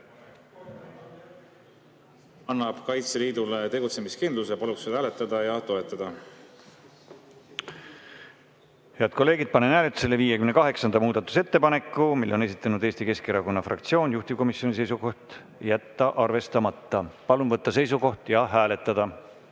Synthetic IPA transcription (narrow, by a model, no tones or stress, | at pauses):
ɑnːɑb̥kɑjt̪seliːd̪ulet̪e̞ɡut̪se̞miskind̪lusepɑlukse̥æːlet̪ˑːɑd̪̥ɑjɑt̪o̞et̪ːˑɑd̪̥ɑ | he̞ɑd̪̥̚ko̞lːe̞ːɡ̥id̪̥̚pɑnenæːlet̪ːu̥se̞lːeviːjekymne̞kɑɦe̞ksɑnd̪ɑmuːd̪̥ɑt̪ːˑu̥se̞t̪ːe̞pɑne̞kːˑumilːo̞ne̞s̬it̪ːˑɑnud̪e̞ːst̪ike̞skeɾɑko̞nːɑfrɑ̰kt̪sio̞ːnjuht̪i̥ko̞misjo̞nʲise̞js̬uko̞ht̪ | jæt̪ːɑʔɑrve̞st̪ɑmɑt̪ːɑpɑlunvɤt̪ːɑse̞js̬uko̞ht̪jɑɦæːle̞t̪ːˑɑd̪̥ɑ